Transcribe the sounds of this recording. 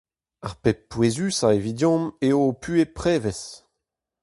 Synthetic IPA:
aʁpewezysaevidjɔ̃meopʰyepχeːvɛs

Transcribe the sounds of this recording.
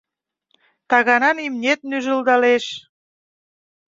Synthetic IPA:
t̪ɑɣɑnɑnimnʲet̪̚nyʒəld̪ɑleʃ

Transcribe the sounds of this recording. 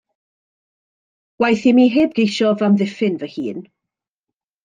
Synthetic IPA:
wajθimiːɦeːbɡejʃɔvamðɪfɪnvəhiːn

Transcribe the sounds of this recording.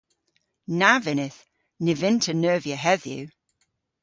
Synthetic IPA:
navɪnɪθ | nɪvɪntʰənɜːvjəɦɛðjʉ̰

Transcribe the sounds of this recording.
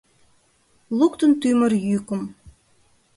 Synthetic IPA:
lˠukt̪ə̆nt̪ymə̆ɾjykə̆m

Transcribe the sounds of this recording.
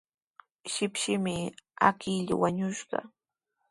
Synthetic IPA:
ʃɪpʃɪmɪakɪʎa̰waɲʊʃɢɑ̰

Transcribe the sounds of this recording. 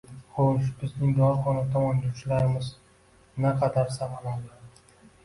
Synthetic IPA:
χoʃbɪznɪŋd̪ɒɾχɒnat̪ʰɒmɒnd̪ot͡ʃʰɪlaɾɪmɪz | naqʰɑd̪aɾsaqɪlad̪ɪ

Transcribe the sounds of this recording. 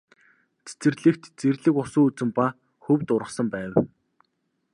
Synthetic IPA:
t͡sʰe̥t͡sɘ̆rɮɘ̆kt̪t͡serɮɘ̆kʊsuːut͡sɘ̆mpa | xɵwt̪ʊɾʁə̆sə̆mpæːw

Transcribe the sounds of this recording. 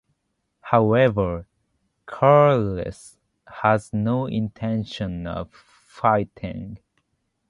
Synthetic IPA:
haʊɛvə˞ | kʰaɹlɨ̰s | həznoʊʔɪ̰̃ntʰɛ̃nʃə̃nʌ̰v̥ | faɪtʰɪ̰̃ŋ

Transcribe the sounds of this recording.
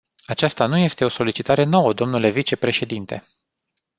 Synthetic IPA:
at͡ʃast̪anuje̞st̪e̞o̞so̞lit͡ʃit̪aɾe̞no̞wəd̪o̞mnule̞vit͡ʃe̞pɾe̞ʃe̞d̪int̪e̞̰

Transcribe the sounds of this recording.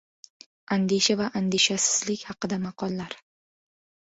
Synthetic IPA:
and̪eʃavaʔand̪eʃasɪ̥z̥lɪkʲhɑqɨd̪amɑqʰɒlˠːaɾ

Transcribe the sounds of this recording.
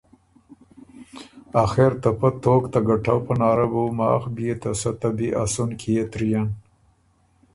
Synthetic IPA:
axeɾt̪apat̪oːkt̪aɡaʈawpanɑːɾabawmɑ̰ːxbijet̪asat̪abiʔasunkʰijet̪ɾijan

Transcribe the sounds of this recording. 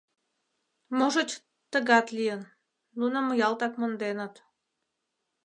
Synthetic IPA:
moʒə̆t͡ɕʲ | t̪əɣɑt̪lijən | lunəməjɑlt̪ɑkmə̆nd̪enət̪

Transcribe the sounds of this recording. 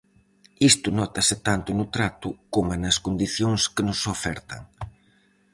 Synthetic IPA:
ist̪ʊnɔt̪ɐsɪt̪ant̪ʊnʊt̪ɾat̪ʊkomanɐskond̪iθjoŋskɪnʊsofɛɾt̪ɐ̰ŋ

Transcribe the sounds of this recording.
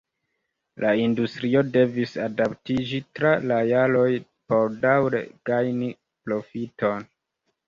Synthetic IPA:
laindustɾio̞de̞visadaptid͡ʒitɾalajalo̞j | po̞ɾdawɾḛɡ̥ajni | plo̞fito̞n

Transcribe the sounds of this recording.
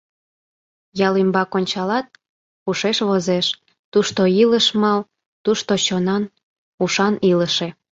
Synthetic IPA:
jɑlimbɑkonʲt͡ɕɑlɑt̪̚ | uʃeʃβozeʃ | t̪uʃt̪oiləʃmɑl | t̪uʃt̪ot͡ɕonɑn | uʃɑniləʃe

